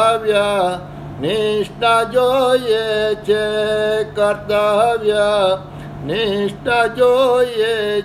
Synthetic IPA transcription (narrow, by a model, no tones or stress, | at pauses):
ʋja | nɪʂʈad͡ʒoiet͡ʃʰekəɾt̪aɦəʋja | niʂʈad͡ʒoie